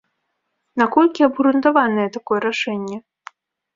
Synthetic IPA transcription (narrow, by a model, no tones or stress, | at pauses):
nakɔlʲkʲiɐbɣɾunt̪avanɨjɛt̪akɔjɛɾaʂɛnʲːɛ